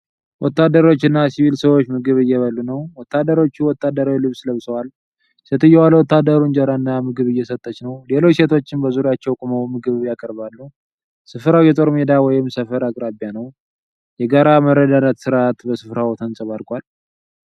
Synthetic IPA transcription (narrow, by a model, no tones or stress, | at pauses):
wɔt̪ːad̪ːəɾo̞t͡ʃːɨnːasiβilsəwot͡ʃːmɨɡɨβɨjɛβəlːunəwwɔt̪ʰːad̪ːəɾo̞t͡ʃːuwɔt̪ʰːad̪ːəɾawilɨβsləβsəwal | set̪ɨjːɛwalwɔt̪ːad̪əɾund͡ʒəɾaɨnːamɨɡɨβɨjːɛsət̪ʼːət͡ʃnəwle̞lot͡ʃːset̪ʰo̞t͡ʃːɪnbəzuɾjat͡ʃːɛwkʼuməwmɨɡɨβjakʼəɾbalːu | sɨfɾawjɛt̪ʼo̞ɾmed̪awɔjɪmsəfəɾakʼɾabjanəw | jɛɡaɾaməɾːəd̪anət̪sɨɾat̪bəsɨfɾawt̪ʰənsʼɨβaɾkʼʷal